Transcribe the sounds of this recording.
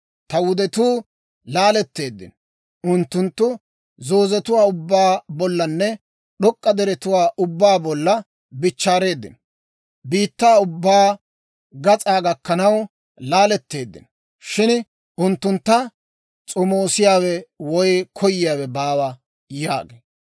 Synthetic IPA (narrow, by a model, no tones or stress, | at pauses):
t̪ɐwʊd̪ɛt̪uː | laːlɛt̪ːe̞ːd̪ːɪ̰n | ʔʊnt̪ːʊnt̪ːʊ | zoːzɛt̪ʊwaːʊbːaːbɔlːɐnːɛ | ɗɔkʼːɐd̪ɛɾɛt̪ʊwaːʔʊbːaːbɔlːɐ | bɪt͡ʃːaːɾe̞ːd̪ːɪ̰n | biːt̪ːaːʊbːaː | ɡɐt͡sʼaːɡɐkːɐnɐw | laːlɛt̪ːe̞ːd̪ːɪ̰n | ʃɪn | ʊnt̪ːʊnt̪ːɐ | t͡sʼɔmoːsɪjaːwɛwɔjkʰɔjɪjaːwɛbaːwɐ | ja̰ːɡḛː